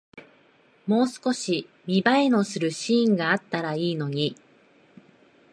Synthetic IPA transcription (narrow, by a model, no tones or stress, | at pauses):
mo̞ːsɨ̥ko̞ɕi | mʲibaino̞sɨɾɯ̟ɕiːŋɡaat̪ːaɾaiːno̞ɲ̟i